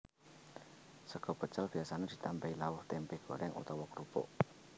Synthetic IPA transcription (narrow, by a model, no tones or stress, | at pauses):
səɡ̥ɔ̤pət͡ʃəlb̥i̤asaned̪̥i̤t̪ampɛilaʊht̪ɛmpɛhɡ̥o̤̰ɾʔɛŋʔṵt̪ɔwɔkɾupɔ̰ʔ